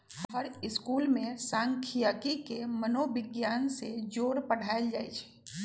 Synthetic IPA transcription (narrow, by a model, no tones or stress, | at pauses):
ɦɦəɾɪskuːlmẽsãːŋkʰijaːkikemənobɪɡjaːnsed͡ʒoːɾpəɽ̤aːeld͡ʒaːet͡ʃʰɛ̥